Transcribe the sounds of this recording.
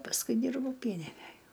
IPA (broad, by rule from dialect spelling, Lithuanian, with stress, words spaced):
pɐsˈkʊɪ ˈdʲiːrbɐʊ ˈpʲiɛnʲɪnʲæj